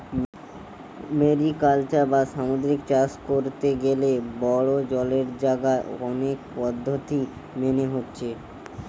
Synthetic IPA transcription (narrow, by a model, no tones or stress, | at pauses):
meɾikalt͡ɕaɾbaʃamod̪ɾikt͡ɕaskoɾt̪eɡelebɔɽod͡ʑɔleɾd͡ʑaɡaeɔnekpɔd̪ʱːot̪i | meneɦotːɕʰe